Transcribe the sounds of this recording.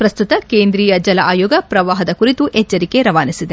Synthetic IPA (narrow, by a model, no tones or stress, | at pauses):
pɾɐst̪ut̪ɐkeːnd̪ɾiːjɐd͡ʒɐlɐʔaːjoːɡɐpɾɐʋaːɦɐd̪ɐkuɾit̪uʔɛt͡ʃːɐɾike̞ɾɐʋaːnisid̪e̞